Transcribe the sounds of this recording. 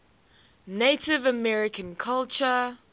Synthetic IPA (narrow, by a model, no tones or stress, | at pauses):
netɪvəmɛɹɪkʰə̃nkʰalt͡ʃə